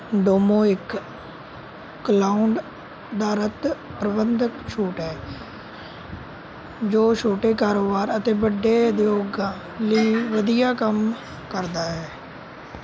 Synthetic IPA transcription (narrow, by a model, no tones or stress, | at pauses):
ɖoːmõːɪk | əlaːʊɳɖ | d̪aːɾət̪pɾəbənd̪əkʃuːʈɦɛː | d͡ʒoːʃoːʈeːkaːɾoːbaːɾət̪eːbəɖːeːd̪joːɡãː | liiːʋəd̪ɪjaːkəm | kəɾd̪aːɦɛː